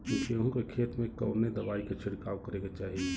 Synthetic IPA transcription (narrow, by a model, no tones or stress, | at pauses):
kũːkʰeɦũkekʰeːt̪mẽkɐʊned̪ɐʋaːiket͡ʃʰɪɽkaːʋkəɾẽɡat͡ʃaːɦie